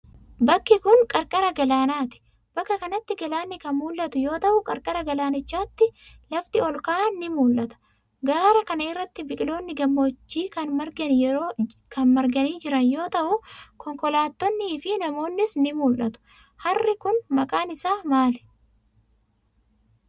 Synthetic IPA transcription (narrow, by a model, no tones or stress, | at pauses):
bɐkːɪkʊnkʼɐɾkʼɐɾɐɡɐlaːnaːt̪ɪ̥ | b̥ɐkːɐkɐnɐt̪ːɪɡɐlaːnːɪkɐnmuːlːɐt̪ʊjo̞ːt̪ɐʔʊkʼɐɾkʼɐɾɐɡɐlaːnɪt͡ʃːaːt̪ːɪ | lɐft̪ɪɔlkaːnːɪmuːlʔɐt̪ɐ̥ | ɡaːɾɐkɐnɐɪrːɐt̪ːɪbɪkʼɪlo̞ːnːɪɡɐmːoːt͡ʃːiːkɐnmɐɾɡɐnjɛɾoːkʰɐnmɐɾɡɐniːd͡ʒɪɾɐnjo̞ːt̪ɐʔʊkɔŋkɔlaːt̪ːɔnːiːfɪnɐmo̞ːnːɪsnɪmuːlʔɐt̪ʊ̥ | hɐrːɪkʊnmɐkʼaːnɪsaːmaːlɛ̥